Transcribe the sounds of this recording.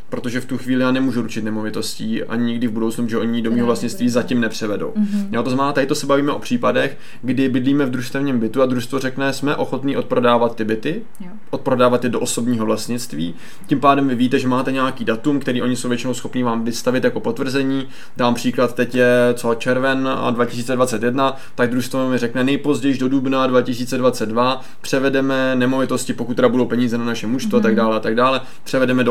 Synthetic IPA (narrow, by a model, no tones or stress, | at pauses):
pɾo̞t̪o̞ʒɛft̪uxviːlɪjaːnɛmuːʒuɾut͡ʃɪt̪nɛmo̞vɪt̪o̞sciːʔa̰ɲɲɪɡdɪvbudowt͡snupʒɛʔo̞ɲɪdomiːɦovlast̪ɲɪt͡st̪viːzacimnɛpr̝̥ɛvɛdo̞̰wjot̪oznamɛnaːt̪adɪt̪osɛbaviːmɛʔo̞pr̝̥iːpadɛx | ɡdɪbɪdliːmɛvd̪ɾuʃst̪ɛvɲiːmbɪt̪uad̪ɾuʃst̪vorɛknɛsmɛʔo̞xo̞t̪niːʔo̞t̪̚pɾo̞daːvat̪ːɪbɪt̪ɪ | ʔot̪̚pɾo̞daːvat̪jɛdoʔoso̞bɲiːɦo̞vlasɲɪt͡st̪vḭː | cɪmpaːdɛmvɪviːt̪ɛʒɛmaːt̪ɛɲɛakiːdat̪umkt̪ɛɾiːʔo̞ɲɪsowvjɛt͡ʃɪno̞wsxo̞pniːvaːmvɪst̪avɪt̪jako̞po̞t̪vr̩zɛɲiː | daːmpr̝̥iːklat̪t̪ɛcjɛt͡sot͡ʃɛɾvɛna̰dvacɪ̥s̬iːt͡sɛdvat͡sɛt̪jɛdna | t̪aɡ̚d̪ɾuʃst̪vomɪrɛknɛnɛjpo̞zɟɛjʒdo̞dubnadvacɪs̬iːt͡sɛdvat͡sɛd̪̚dva | pr̥ɛvɛdɛmɛnɛmo̞vɪt̪o̞scɪpokut̪t̪ːɛɾabudo̞wpɛɲiːzɛnanaʃɛmuʃst̪oat̪aɡdaːlɛat̪aɡdaːlɛ | pr̥ɛvɛdɛmɛdo